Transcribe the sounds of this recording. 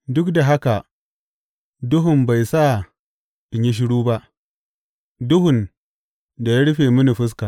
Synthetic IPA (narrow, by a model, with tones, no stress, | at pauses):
dʊ˦kda˨ɦa˦ka˨ | dʊ˦ɦʊ˨mba˨jsa˦˨ | ʔɪ˨ɲji˦ʃ̬ɪ˦ɽuː˦ba˦ʔ | dʊ˦ɦʊ˨n | da˨ja˦ɽɸeː˨mʊ˦ni˨ɸɪ˦s̬ka˨ʔ